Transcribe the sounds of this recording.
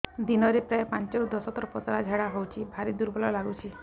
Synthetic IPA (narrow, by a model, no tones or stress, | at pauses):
d̪inɔɾepɾaepant͡ʃowd̪ɔsɔt̪ɾɔpɔtaɾad͡ʒʱaɽaɦowt͡ʃʰibʱaɾid̪uɾbɔlɔlaɡut͡ʃʰi